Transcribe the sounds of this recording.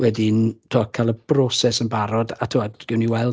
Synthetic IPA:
wɛdintʰɔkʰalˠəb̥rɔsɛsənbaɾɔdatʰuwadɡ̥ɪwniwɛlˠ

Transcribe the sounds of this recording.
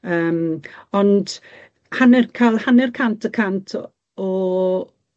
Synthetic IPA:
əːmɔnd | hanɪrkʰalˠhanɪrkʰantʰəkʰantʰ | ɔ

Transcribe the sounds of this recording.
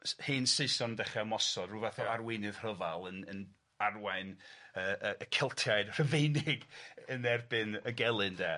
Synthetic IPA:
hiːnseɨsɔndɛχɛmɔsɔdruːvaθɔarwɪnɨðr̥əvalˠənən | arwaɨnəːəəkʰɛlˠtʰjajdr̥əvejnɪɡənɛrbɨnəɡɛlˠɨndɛː

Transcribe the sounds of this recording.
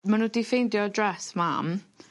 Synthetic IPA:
manuːdifejndjɔdrɛsma̰m

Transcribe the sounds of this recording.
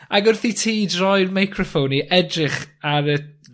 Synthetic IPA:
aɡʊrθitʰiːdrɔjrmajkʰrɔfowniʔɛdrɪχaɾə

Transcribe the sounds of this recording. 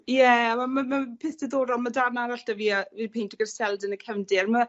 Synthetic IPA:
jɛamamamapʰɪθd̥əðoːɾɔlˠmadarnaɾaɬd̥aviːavipʰejntʰɔɡərsɛlˠdənəkʰɛvndɪrma

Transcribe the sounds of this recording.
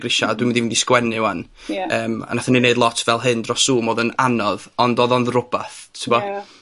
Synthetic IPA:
ɡrɪʃadwimɪndivindiskwɛnɪwanəːma̰naθanineɨdˡlˠɔtʰvɛlˠɦɨndrɔsuːmoːðənanɔðɔndɔðɔnðrʊb̥aθtʰɪbɔ

